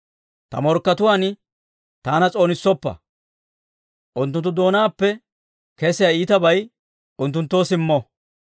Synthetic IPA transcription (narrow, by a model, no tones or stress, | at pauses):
t̪ɐ̰mɔɾkːɐt̪ʊwaːn | t̪aːnɐt͡sʼo̞ːnɪsːɔpːɐ̰ | ʔʊnt̪ːʊnt̪ːʊd̪o̞ːnaːpːɛ | kɛsɪjaiːt̪ɐbɐj | ʊnt̪ːʊnt̪ːo̞ːsɪmːɔ